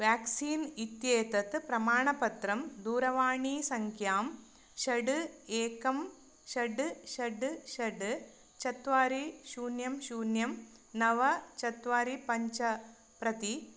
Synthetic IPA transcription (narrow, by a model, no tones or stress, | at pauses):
ʋjaːksiːnit̪jeːt̪ɐt̪ːɨpɾɐmaːɳɐpɐt̪rɐmd̪uːɾɐʋaːɳiːsɐŋkʰjaːm | ʃɐɖɨeːkɐm | ʃɐɖɨʃɐɖɨʃɐɖɨ | t͡ʃɐt̪ːʋaːɾiʃuːnjɐmɕuːnjɐm | nɐʋɐt͡ʃɐt̪ʋaːɾipɐɲt͡ʃɐ | pɾɐt̪i